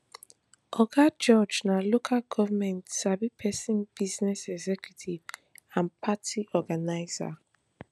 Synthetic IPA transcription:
ɔɡad͡ʒɔd͡ʒnalokʰalɡɔvamɛ̃ntsabipʰɛsĩnbiznɛsɛɡzɛkʰjutʰivãnpʰatʰiɔɡanaɪza̰

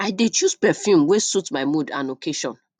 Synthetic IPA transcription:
aɪdet͡ʃuspɛfjũmwesutmaɪmuda̰nokʰeʃɔ̰̃n

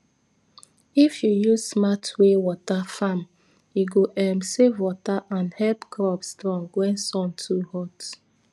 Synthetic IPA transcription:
ifjujuzsmatʰwewɔtafam | jiɡoʔɛmsevwɔtaʔãnhɛpkɾɔpstɹɔ̃ŋɡwɛ̃nsɔ̃ntʰuhɔt

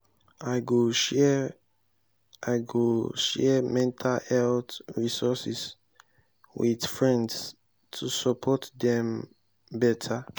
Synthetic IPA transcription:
aɡoɛ | aɪɡoʃɛmɛ̃ntʰalɛltɹisɔsis | widfɹɛ̃nds | tʰusɔpʰɔtdɛ̃m | bɛtʰa

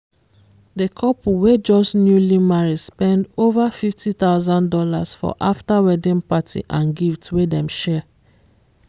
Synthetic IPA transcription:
dekʰɔpuwed͡ʒɔsnjulimaɹispɛ̃ndovafiftit̪aʊzãndɔla̰sfɔ̰ʔaftawɛdĩnpatʰḭʔãnɡiftwedɛ̃mʃɛ

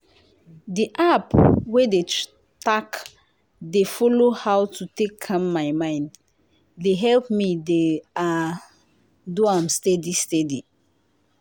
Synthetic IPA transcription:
diʔapwede | tak | defɔlohawtʰutekʰːãmːaɪmãɪ̃nd | deɦɛlpmidea | doãmstɛdistɛdi

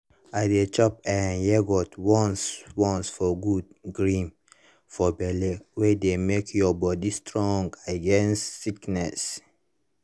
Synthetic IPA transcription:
adet͡ʃɔpɛ̃njɛɡɔtwɔ̃nswɔ̃nsfɔɡud̚ɡɹĩm | fɔbɛlewedemekʰjɔbɔdistɹɔ̃ŋɡaɡɛ̃nstːiknɛs

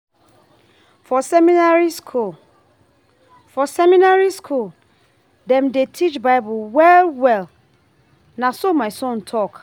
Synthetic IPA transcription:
fɔsɛmĩnaɹiskʰul | fɔsɛmĩnaɹiskʰul | dɛ̃mdetʰit͡ʃbaɪbʊlwɛlwɛl | nãsomãɪsɔ̃ntʰɔk

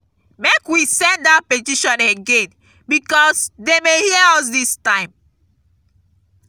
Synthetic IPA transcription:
mekwisɛ̃ndapetiʃɔ̃neɡẽn | bikɔsdemehiɛɔsdistãɪ̃m

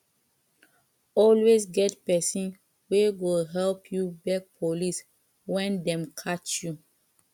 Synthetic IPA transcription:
ɔlwesɡɛtpɛsĩn | wewilɦɛlpʰjubɛk̚pʰolis | wɛ̃ndɛ̃mkʰat͡ʃju

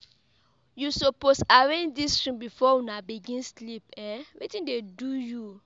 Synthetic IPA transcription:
jusɔposaɹẽndistɹĩmbifɔwũnabiɡĩnslip̚ɛ̃witĩdeduju

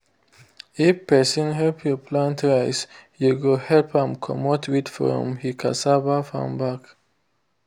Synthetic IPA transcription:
ifpɛsɔ̃nɦɛlpʰjɔpʰlãntɹaɪsjuɡohɛlpʰãmkʰɔ̰mɔtʰwidfɹɔ̰̃mhikʰa̰sabafã̰mbak

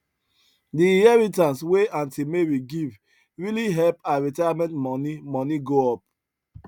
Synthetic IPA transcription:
diĩhɛɹitãnsweãntʰimeɹiɡiv | ɹiliɦɛlpaɹitajamɛ̃ntmɔnimɔniɡoɔp̚

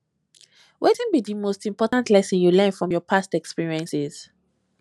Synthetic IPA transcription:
wʔetĩnbidimostĩmpɔtãntlɛsə̃njulɛ̃nfɹɔ̃mjɔpʰastɛkspiɹiɛ̃nsɪz̥

